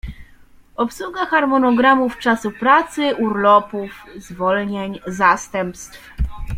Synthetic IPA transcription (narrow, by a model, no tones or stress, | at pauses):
ɔpsuɡaxaɾmɔnɔɡɾamuft͡ʂasupɾat̪sɘuɾlɔpufzvɔlɲeɲzast̪ɛmpst̪f